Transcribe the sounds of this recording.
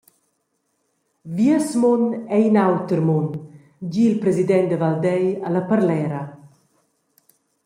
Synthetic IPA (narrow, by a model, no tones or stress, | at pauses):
viəsmɔnɛinawt̪əɾmun | ɟilpɾɛzid̪ɛnt̪d̪əvald̪ɛjaləpəɾlɛːɾa